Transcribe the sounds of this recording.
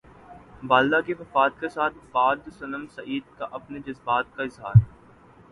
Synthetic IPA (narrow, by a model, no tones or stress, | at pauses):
baːlːakefɐfaːd̪̚kesaːt̪̚ʰbaːd̪sɐnəmsɐiːd̪̚kaʔɐpned͡ʒɐzbaːt̪̚kaɪzɦa̰ːɾ